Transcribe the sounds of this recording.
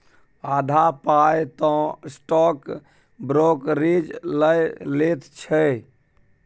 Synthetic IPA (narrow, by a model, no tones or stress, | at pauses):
ad̪ʱapajt̪ɔ̃sʈɔk | bɾokɾid͡ʒləjlet̪t͡ʃʰə